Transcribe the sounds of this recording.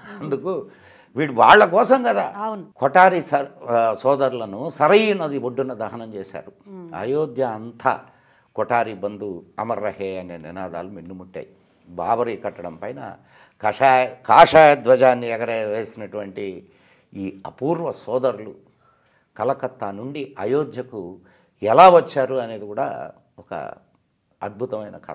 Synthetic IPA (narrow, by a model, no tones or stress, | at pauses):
ɐnd̪uku | ʋiːɽuʋaːɭːɐkɔːsɐmkɐd̪aːnkɔʈaːɾisɐsɔːd̪ɐɾulɐnusɐɾɐjunɐd̪iʋoɖːunɐd̪ɐɦɐnɐmt͡ʃeːʃa̰ːɾua̰ːjoːd̪jɐːnt̪ʰɐ̰ | kɔʈaːɾibɐnd̪uɐmɐrːɐheːɐneːninaːd̪a̰ːluminːumuʈːa̰ːji | ba̰ːbɐɾikɐʈːɐɽɐmpɐjnɐ̰ | kɐajkaːʂaːjɐd̪ʋɐd͡ʒaːnːiɛɡɐɾeʋeːsinɐʈuʋɐɳʈi | iːɐpuːɾʋɐsɔːd̪ɐɾulu | kɐlɐkɐt̪ːanuɳɖiɐjoːd̪ʱjɐku | ɛlaːʋɐt͡ʃːaːɾuɐne̞ːd̪ikuːɽa̰ː | ɔkɐ̰ | ɐd̪̚bʱut̪ɐmɐjnɐk